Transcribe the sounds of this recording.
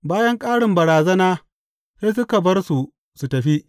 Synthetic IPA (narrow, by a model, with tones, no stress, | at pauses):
baː˦jɐ˦ŋkʼaː˦ɽɪ˨mbɐ˨ɽaː˨zɐ˦naː˦ | se˦s̬ʊ˦ka˨bɐ˦rsu˨ | su˨tɐ˨ɸi˦ʔ